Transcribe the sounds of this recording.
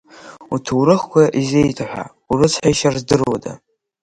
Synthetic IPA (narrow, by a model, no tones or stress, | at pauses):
utʰuwɾɨχkʷʰaʔizejtʰaħʷa̰ | uɾɨt͡sʰħajʃarzdɨrwada̰